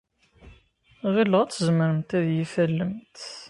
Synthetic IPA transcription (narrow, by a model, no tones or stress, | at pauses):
ʁilːəʁæt͡sːəzməɾəmt̪æðjifælːəmt̪